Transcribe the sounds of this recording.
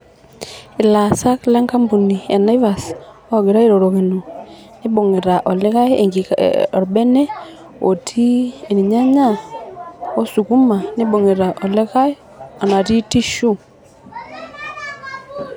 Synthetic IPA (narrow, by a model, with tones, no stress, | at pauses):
i˨la˨sa˦kla˦ŋka˦mbu˨ni˨e˨na˦i˦va˨s | ɡe˨ɾa˦e˦ɾo˨ɾo˨ɣe˨no˨ | ne˦bo˨ŋe˨ɾa˨ʔɔ˨le˦ɣa˦ḛ˨ŋɡi˨ɔ˨ɾbɛ˦nɛ˦ | o̰˨tʰi˦e˨ni˨ɲa˦ɲa˦˨ | o˦su˨ku˦ma˨ne˦bo˨ŋe˨ɾa˨ʔo˨le˦ɣa˦e˦ | ɔ˨na˨ti˦ti˦ʃu˦